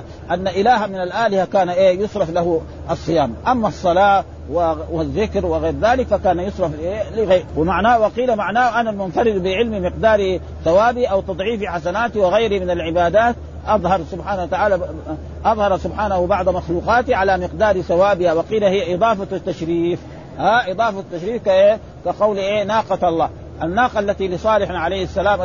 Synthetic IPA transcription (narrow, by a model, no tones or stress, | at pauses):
ʔanːaʔɪlaːɦamɪnalʔaːlɪhakaːnaʔeːjʊsˤɾˤɑflahu | ʔɑsˤːɨjaːmʔamːasˤːɑlɑː | wɪwɪðːɪkɾwɪɣeːɾðaːlɪkfakaːnajʊsˤɾˤɑfʔeːlɪɣawɪmaʕnaːwaqiːlamaʕnaːhʔanalmʊnfaɾˤɪd̪bɪʕɪlmimɪqd̪aːɾi | θawaːbiʔawt̪ɑd̪ˤʕiːfiħasanaːt̪iwɪɣajɾimɪnalʕɪbaːd̪aːt̪ | ʔɑðˤhɑɾˤsʊbħaːnawat̪aʕaːla | ʔɑðˤhɑɾˤsʊbħaːnahubɑʕd̪ˤmaxluːqɑːt̪iʕalamɪqd̪aːɾiθawaːbɪhawaqiːlahijːʔɨd̪ˤɑːfat̪ːaʃɾiːf | haʔɨd̪ˤɑːfat̪ːaʃɾiːfkaʔe | kaqɑwliʔeːnaːqɑɑlˤːɑː | ʔanːaːqɑʔlːat̪ilɪsˤɑːlɪħnaʕalajːhasːalaːmʔ